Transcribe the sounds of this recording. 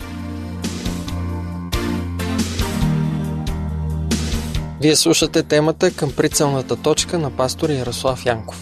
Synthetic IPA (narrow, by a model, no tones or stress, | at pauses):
viɛslˠuʃət̪ɛt̪ɛmət̪əkəmpɾit̪sɛlˠnət̪ət̪ɔt͡ʃkənɐpast̪oɾjɐɾoslˠafjaŋko̥f